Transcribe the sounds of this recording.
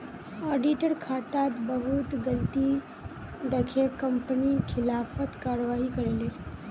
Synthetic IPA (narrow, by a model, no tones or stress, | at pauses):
ɔːɖiʈəɾkʰaːt̪at̪bəɦʊt̪ɡɐlt̪i | d̪ɐkʰekɐ̃mpənikʰɪlaːfət̪kaːɾʋaːɦikɐɾeːleː